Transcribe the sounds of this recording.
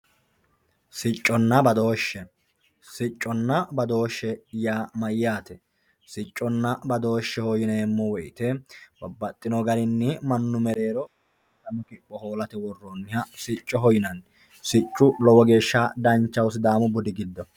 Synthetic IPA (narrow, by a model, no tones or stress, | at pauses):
sɪt͡ʃʼːɔnːɐbɐd̪o̞ːʃːɛ | sɪt͡ʃʼːɔnːɐbɐd̪oːʃːɛjaːmɐjːaːt̪ɛ | sɪt͡ʃʼːɔnːɐbɐd̪o̞ːʃːɛhɔjɪneːmːɔwɔjt̪ɛbɐbːɐt̪ʼːɪnɔɡɐɾɪnːɪmɐnːʊmɛɾe̞ːɾɔ | t̪ːɐmɔkɪpʼːɔhoːlɐt̪ɛwɔrːoːnːɪhɐsɪt͡ʃʼːɔɦɔjɪnɐn | sɪt͡ʃʼːʊlɔwɔɡe̞ːʃːad̪ɐnt͡ʃːɐwsɪd̪aːmʊbʊd̪ɪɡɪd̪ːɔ